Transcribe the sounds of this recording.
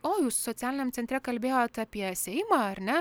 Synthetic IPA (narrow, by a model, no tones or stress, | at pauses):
oːjuːssoːt̪sʲæːlʲɪnʲɛmtt͡s̪ʲɛnʲt̪ɾʲɛkɐlʲbʲeːjoːt̪ɑpʲiɛsʲɛɪmɑɐɾnʲɛ